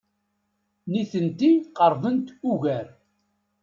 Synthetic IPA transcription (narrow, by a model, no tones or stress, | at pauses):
niθənt̪iqəɾˤðˤənt̪uʝæɾ